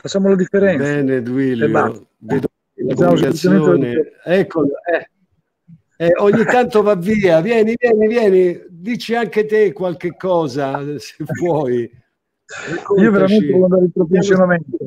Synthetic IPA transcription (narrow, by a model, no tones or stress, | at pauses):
fat͡ʃːamolad̪ifːeɾɛnbɛːned̪uiljoa | ved̪o | aasːjmeoːneɛkːoɛ | ɛoɲːit̪ːant̪ovavːiːavjɛːnivjɛːnivjɛːnid̪it͡ʃːiaŋk̟et̪ekːwalk̟ekːɔːzasevwɔːi | ɛkːoiːoveɾamenevɔlːand̪aɾeilpɾop̬unsjonamɛnt̪o